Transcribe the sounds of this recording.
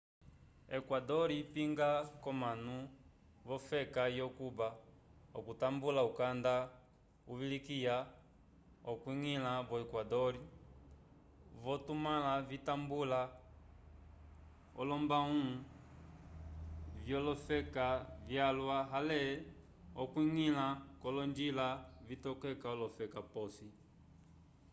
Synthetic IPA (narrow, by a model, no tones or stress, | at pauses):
ɛkwadɔɾipiŋɡakɔmanu | vɔfɛkajɔkubaɔkutambulaukanda | uβilikija | ɔkwiŋilaβɔɛkwadɔɾi | vɔtumalavitambula | ɔlɔmbaũ | vjɔlɔfɛkavjalwaɦalɛ | ɔkwiŋilakɔlɔnd͡ʒilavitɔkɛkaɔlɔfɛkapɔsi